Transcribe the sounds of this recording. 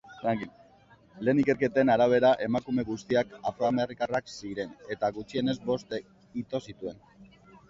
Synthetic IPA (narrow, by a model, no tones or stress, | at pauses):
aŋki | le̞ːnike̞ɾke̞t̪enaɾaβ̞e̞ɾaʔe̞makume̞ɣust̪iakafɾoamerikaraksiɾe̞ne̞t̪aɣut͡ʃie̞ne̞zbo̞st̪ | it̪o̞sit̪ue̞n